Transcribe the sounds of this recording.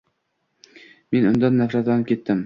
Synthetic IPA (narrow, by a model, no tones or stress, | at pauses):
me̞nʊnd̪anːafɾat̪lanɪp̚kʲʰe̞t̪ːɪm